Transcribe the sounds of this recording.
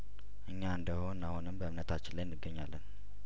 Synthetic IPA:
ʔɨɲːaɨnd̪əhonːahonɨmbəɨmnət̪ʰat͡ʃːɪnlajnːɨɡːəɲːalːən

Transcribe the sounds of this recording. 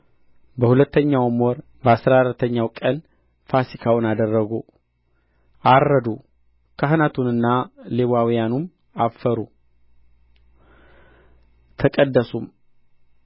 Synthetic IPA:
bəhulət̪ːəɲːawmwɔɾ | bəasɾaɾət̪ʰːəɲːawkʼən | fasikʰawʊnad̪ərːəɡo | ʔarːəd̪u | kʰaɦnat̪ʰunɨnːaleβawijanum | afəɾu | t̪ʰəkʼəd̪ːəsum

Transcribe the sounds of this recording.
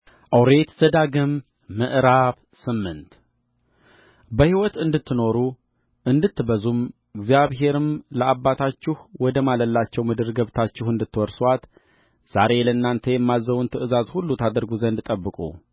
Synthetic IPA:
ʔəwɾe̞t̪z̥əd̪aɡɨmː | əʔɾaβ | sɨmːɨnt̪ | bəhiwɔt̪ɨnd̪ɨt̪ʰːɨno̞ɾu | ʔɨnd̪ɨt̪ːɨbəzum | ɨɡzijaβɦe̞ɾɨmləʔabːat̪ʰat͡ʃːɪhwɔd̪əmaləlːat͡ʃːɛwmɨd̪ɨɾɡəβt̪ʰat͡ʃːɪhɨnd̪ɨt̪ːɨwɔɾswat̪ | z̥aɾe̞ləɨnːant̪ʰejɛmːazːəβunt̪ʰɨʔɨzazhulːut̪ʰad̪əɾɡuzənd̪t̪ʼəbːɨkʼṵ

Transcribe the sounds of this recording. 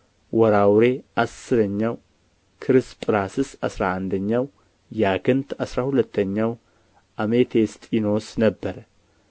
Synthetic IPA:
wʔɔɾawɾe̞ʔasːɨɾəɲːaw | kʰɨɾɨspʼɨɾasɨsasɾaand̪əɲːaw | jaɡɨnt̪ʰasɾahulət̪ʰːəɲːaw | ʔamet̪ʰest̪ʼino̞snəbːəɾə

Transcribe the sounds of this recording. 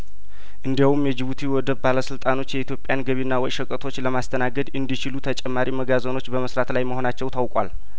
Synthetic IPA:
ʔɨnd̪iawumjɛd͡ʒɪβut̪ʰiwɔd̪əbbaləsɨlt̪ʼano̞t͡ʃːjɛit̪jo̞pʼjanɡəβinːawɔjʃəkʼət̪ʰo̞t͡ʃːləmast̪ʰənaɡəd̪ɨnd̪it͡ʃilut̪ʰət͡ʃʼɛmːaɾiməɡazono̞t͡ʃːbəməsɾat̪lajməho̞nat͡ʃːɛwt̪ʰawkʼwa̰l

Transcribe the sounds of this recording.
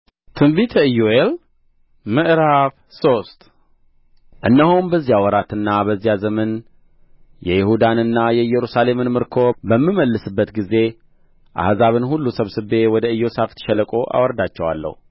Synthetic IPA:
t̪ʰɨmbit̪ʰəɨjoel | mɨʔɾaβ | so̞st̪ʼ | ʔɨnːəhonbəzːijawɔɾat̪ɨnːabəzːijazəmən | jɛjɪhud̪anɨnːajɛjɛɾusale̞mɨnmɨɾkʰo̞bəmːiməlːɨsɨbːət̪ɡize̞ | ʔa̰hzaβɨnhulːusəβsɨbe̞wɔd̪əɨjːo̞saft̪ʰʃɛləkʼo̞ʔa̰wɔɾd̪at͡ʃːɛwa̰lːə̰hu

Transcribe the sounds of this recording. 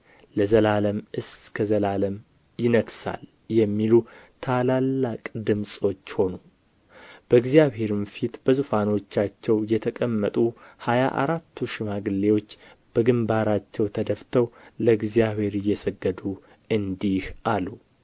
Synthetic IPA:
ləzəlaləmʔɨskʰəzəlaləm | jɪnəɡsa̰l | jɛmːilut̪ʰalalːakʼd̪ɨmsʼo̞t͡ʃːho̞nu | b̥əɨɡzjaβhe̞ɾumfit̪bəzufano̞t͡ʃːat͡ʃːɛwjɛt̪ʰəkʼəmːət̪ʼuhaja̰ʔa̰ɾat̪ʰːuʃɪmaɡɨlːe̞wo̞t͡ʃː | b̥əɡɨmbaɾat͡ʃːɛwt̪ʰəd̪əft̪ʰəwləɨɡzijaβhe̞ɾɪjːɛsəɡːəd̪u | ɨnd̪ihʔalu

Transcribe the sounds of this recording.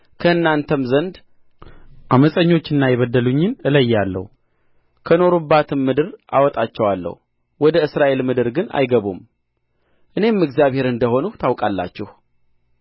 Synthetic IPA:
kʰəɨnːant̪ʰəmzənd̪ | ʔaməsʼəɲːo̞t͡ʃːɪnːajɛβəd̪ːəluɲːɪnɨləjːalːə̰hu | kʰəno̞ɾubːat̪ʰɨmːɨd̪ɨɾʔa̰wɔt̪ʼat͡ʃːɛwalːə̰h | wɔd̪əɨsɾaʔe̞lmɨd̪ɨɾɡɨna̰jɡəβum | ʔɨne̞mɨɡzjaβhe̞ɾɨnd̪əho̞nut̪ʰawkʼalːa̰t͡ʃːɛh

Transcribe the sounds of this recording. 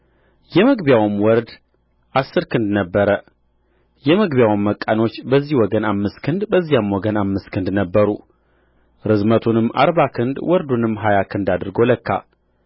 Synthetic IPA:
jɛməɡbjawɨmwɔɾd̪ | ʔasːɨɾkʰɨnd̪nəbːəɾə | jɛməɡβjawɨmːəkʼːano̞t͡ʃːbəzːihwɔɡənamːɨskʰɨnd̪bəzːijamwɔɡənamːɨskʰɨnd̪nəbːəɾu | ɾɨzmət̪ʰunɨmːʔa̰ɾβakʰɨnd̪wɔɾd̪unɨmːɦajakʰɨnd̪ad̪ɨɾɡo̞ləkːa̰

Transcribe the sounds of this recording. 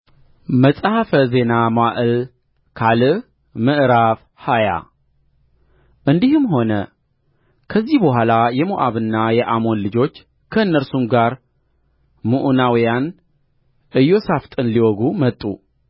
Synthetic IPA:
məsʼahafəze̞namaʔɨl | kʰalɨ | mɨʔɾaf | haja̰ | ʔɨnd̪ihɨmɦo̞nə | kʰəzːihbəɦʷalajɛmoʔaβɨnːajɛʔamo̞nlɨd͡ʒo̞t͡ʃː | kʰəɨnːəɾsumɡaɾ | muʔunawijan | ʔɨjo̞saft̪ʼɨnliwɔɡumət̪ʼːu

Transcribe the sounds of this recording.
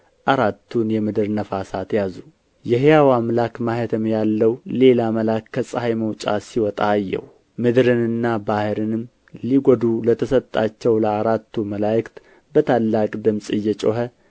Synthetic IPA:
ʔaɾat̪ʰːunjɛmɨd̪ɨɾnəfasat̪jazu | jɛɦjawamlakmaɦet̪ʰəmjalːəwle̞laməlakːəsʼəhajməwt͡ʃʼasiwɔt̪ʼaːjːɛ̰w | mɨd̪ɨɾɨnɨnːabahɨɾɨnɨm | liɡod̪ulət̪ʰəsət̪ʼːat͡ʃːɛwləaɾat̪ːuməlajɪkt̪ | bət̪ʰalːakʼd̪ɨmsʼɨjːɛt͡ʃʼoɦə

